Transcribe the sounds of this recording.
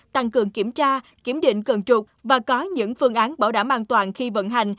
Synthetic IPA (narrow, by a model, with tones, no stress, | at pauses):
t̪a˧ŋkɨ˨˩əŋki˧˩əmt͡ɕaː˧ki˧˩əmɗḭ˧˨ŋ̟kə˨˩ŋt͡ɕu˨˩t̚vaː˨˩kɔ˨˦ɲɨ̰˧˥ŋfɨ˧əŋʔaː˨˦nɓaː˧˩wɗaː˧˩mʔaː˧nt̪waː˨˩nxi˧və̰˧˨nɦa˨˩jŋ̟